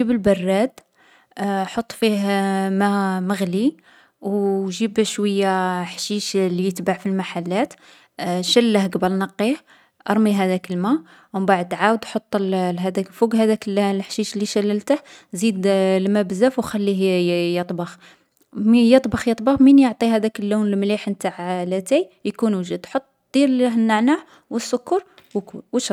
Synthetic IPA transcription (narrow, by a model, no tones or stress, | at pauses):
ibəlbɑrˤːæd̪ | ħot̪ˤːfihmæməɣli | wʒibʃwəjːaħʃiʃlijət̪baʕfilmaħalːæt̪ | ʃælːəhɡɑbəlnɑqːih | ʔɑɾˤmiɦæd̪ækəlmæ | mbaʕəd̪ʕawəd̪ħot̪ˤːlɦæd̪ækfuɡɦæd̪ækllħʃiʃlːiʃælːəlt̪əhzid̪lmæbəzæfwxælːiɦjət̪ˤbɑx | mjət̪ˤbɑxjət̪ˤbɑxminjoʕt̪ˤiɦæd̪ækəlːuwnlmliħnt̪aʕlæt̪æjjkunwʒud̪ħot̪ˤːd̪̥iɾhənːaʕnah | wəsːʊkːɑɾˤwkuwəʃ